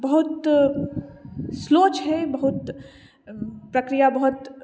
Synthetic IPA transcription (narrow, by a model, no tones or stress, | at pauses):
bɐɦʊt̪ | sloːt͡ʃɦɛbɐɦʊt̪ | pɾɐkɾijabɐɦʊt̪